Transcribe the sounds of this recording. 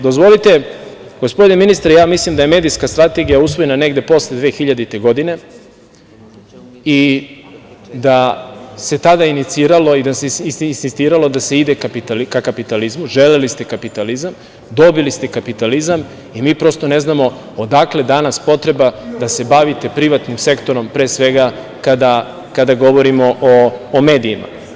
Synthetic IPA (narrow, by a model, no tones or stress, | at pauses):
d̪ozʋo̞lit̪e̞ | ɡ̥ospd̪ineminist̪aɾejaːmislimd̪aje̞me̞ːd̪ijskast̪ɾat̪e̞ɡijausʋo̞je̞nane̞ɡd̪e̞po̞sled̪ʋe̞ːxiʎad̪it̪e̞ɡo̞d̪ine̞ | i | d̪ase̞t̪ad̪ainit̪siːɾalo̞id̪aseiinsist̪iːɾalo̞d̪aseid̪e̞kapit̪alikakapit̪alizmuʒelelist̪e̞kapit̪alizam | d̪o̞bilist̪e̞kapit̪alizam | imiːpɾo̞st̪o̞ne̞znamo̞ | od̪akle̞d̪anaspo̞t̪ɾe̞bad̪ase̞baʋit̪e̞pɾiʋat̪nimse̞kt̪o̞ɾo̞mpɾe̞ːsʋe̞ɡa | kad̪a | kad̪aɡo̞ʋo̞ɾimo̞ʔoːme̞ːd̪iima̰